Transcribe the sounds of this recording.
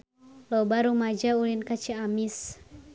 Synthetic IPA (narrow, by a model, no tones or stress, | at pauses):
lɔbaɾumad͡ʒaulinkat͡ʃiamis